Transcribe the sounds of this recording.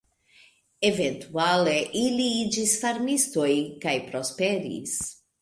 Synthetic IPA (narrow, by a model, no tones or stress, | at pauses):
evẽnt̪ualeʔiliid͡ʒisfaɾmist̪ojkajpɾospɛɾḭs